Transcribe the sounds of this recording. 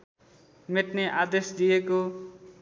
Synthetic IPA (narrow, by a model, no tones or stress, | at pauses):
meʈneʔad̪esd̪ijeko